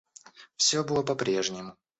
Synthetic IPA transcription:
fsʲobɨlˠəpɐpɾʲe̞ʐnʲɪmʊ

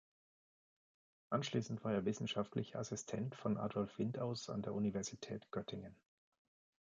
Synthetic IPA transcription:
ʔanʃliːsn̩tv̥aːɐeːɐvɪsn̩ʃaftlɪçɐasɪstʰɛntfɔnʔa̰ːdɔlfv̥ɪntaʊsa̰ndeːɐʔunivɛɐzitʰɛ̰ːtɡ̥œtʰɪŋən

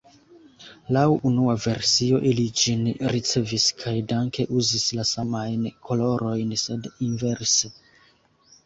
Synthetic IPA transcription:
lawunuave̞ɾsio̞ʔilid͡ʒinɾit͡se̞viskʰajdaŋke̞ʔuzislasamajnkʰo̞lo̞ɾo̞jnse̞dinve̞ɾse

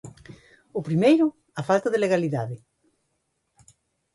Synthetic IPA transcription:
ʊpɾimejɾʊ | afalt̪aðeleɣaliðaðɪ

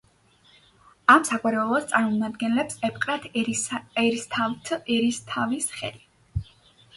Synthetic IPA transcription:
amsakʼaɾɛlˠɔst̪sʼaɾmɔmad̪ɡɛnlɛpsɛp̚ʰqʼɾat̪ʰɛɾist̪ʰavt̪ʰɛɾist̪ʰavisχɛ̰li

